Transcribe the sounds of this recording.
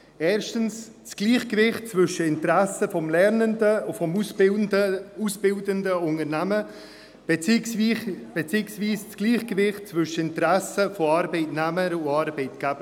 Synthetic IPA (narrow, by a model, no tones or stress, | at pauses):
ɛːɾʃtənst͡sɡ̥liːχkəvɪχt̚t͡svʏʃəɪntɾæsəfɔmlɛɾnəndəufɔmusəusb̥ɪldəndəʊŋəɾnæmə | b̥ | b̥ɛt͡siːksviːst͡sɡ̥liːχkəvɪχt̚t͡svʏʃəɪntɾæsəfoɑːɾbɛɪtnɛməɾuɑːɾbɛɪtɡ̥æb̥ə